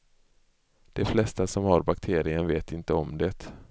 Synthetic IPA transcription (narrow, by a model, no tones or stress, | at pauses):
d̪̥ɛflɛst̪asɔmhaɾbakt̪ʰeːɾɪənveːt̪ɪnt̪əɔmd̪ɛt̪